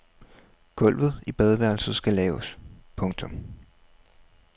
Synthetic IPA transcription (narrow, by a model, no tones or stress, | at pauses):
ɡ̥ɔ̽l̰ʋð̩ˠib̥ɛð̞ˠʋæɐ̰lsð̩ˠsɡ̥ælɛːʊspʰɔ̽ŋt͡sʰɔ̽m